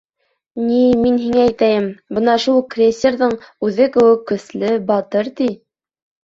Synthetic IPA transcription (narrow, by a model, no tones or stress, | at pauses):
niminɦiŋææjt̪æjɘmbɤnɑʃulˠkrʲesʲːerðɤɴʉðɘkɘ̆wɘkːɵ̆slɘbɑt̪ɤɾt̪i